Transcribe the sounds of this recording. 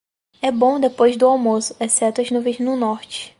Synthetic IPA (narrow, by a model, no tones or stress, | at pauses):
ɛbõd̪epojzd̪ʊawmosʊ̥ɛsɛt̪ʊɐznuvẽjznʊnɔɾt͡ʃɪ̥